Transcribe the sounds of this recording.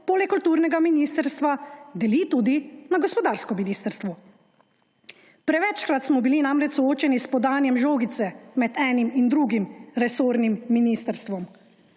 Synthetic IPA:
poːlɛkːult̪uːɾnɛɡaminist̪əɾst̪ʋad̪ɛlit̪ud̪inaɡɔspɔd̪aːɾskɔminist̪əɾst̪ʋɔ | pɾɛʋɛt͡ʃkɾat̪smɔbilinamɾɛt͡ʃsɔoːt͡ʃɛnispɔd̪aːnjɛmʒoːɡit̪sɛmɛd̪ɛːnimind̪ɾuɡimɾɛsoːɾnimːinist̪əɾst̪ʋɔm

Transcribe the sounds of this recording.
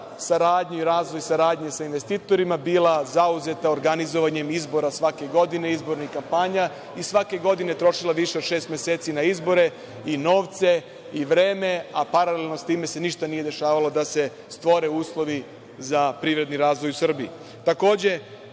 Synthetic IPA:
saɾaːd̪ɲuiɾaːzʋo̞jsaɾaːd̪ɲesainʋe̞st̪iːt̪o̞ɾimabilazauze̞t̪aoɾɡanizo̞ʋaɲe̞mizbo̞ɾasʋake̞ɡo̞d̪ine̞izbo̞ɾnikampaɲa | isʋake̞ɡo̞d̪ine̞t̪ɾo̞ʃilaʋiʃe̞o̥ʃeːst̪mjese̞ːt̪sinaizbo̞ɾe̞ | ino̞ːʋt̪se̞ | iʋɾe̞ːme̞apaɾalelno̞st̪iːme̞se̞niʃt̪anije̞d̪e̞ʃaːʋalo̞d̪ase | st̪ʋo̞ɾe̞uːslˠo̞ʋi | zapɾiːʋɾe̞d̪niɾaːzʋo̞jusr̩bii | t̪ako̞ːd͡ʑe̞

